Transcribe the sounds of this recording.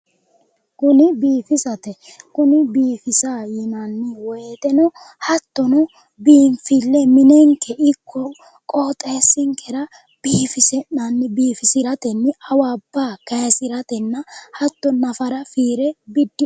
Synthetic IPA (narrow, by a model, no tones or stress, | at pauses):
kʊnɪbiːfɪsɐt̪ɛkʊnɪbiːfɪsaːjɪnɐnːɪwɔjt̪ɛnɔ | hɐt̪ːɔnɔ | biːnfɪlːɛmɪnɛŋkːɛʔɪkʰːɔ | kʼoːt̪ʼeːsːɪŋkʰɛɾɐ | b̥iːfɪsɛnɐnːɪbiːfɪsɪɾɐt̪ɛnːɪɐwaːbːaːkɐsɪɾɐt̪ɛnːɐhɐt̪ːɔnɐfɐɾɐfiːɾɛbɪd̪ːɪ